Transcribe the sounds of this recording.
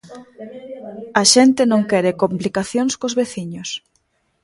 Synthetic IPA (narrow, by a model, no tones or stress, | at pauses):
aʃɛnt̪ɪnõŋkɛɾekomplikaθjoŋskozβeθiɲos